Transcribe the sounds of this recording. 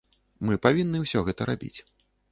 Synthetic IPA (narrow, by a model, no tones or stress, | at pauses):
mɨpavʲinːɨwsʲɔɣɛt̪ɐɾabʲḭt͡sʲ